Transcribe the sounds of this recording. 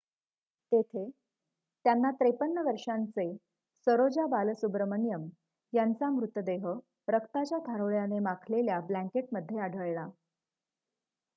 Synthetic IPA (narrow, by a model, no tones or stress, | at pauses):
t̪et̪ʰe | t̪janːat̪ɾepənːəʋəɾʂant͡se | səɾod͡ʑabaləsubɾəmənjəm | jant͡samɾut̪əd̪eɦə | ɾəkt̪at͡ɕjat̪ʰaɾoɭjanemakʰleljablæ̃ŋkeʈməd̪ʱːjeaɽʱəɭla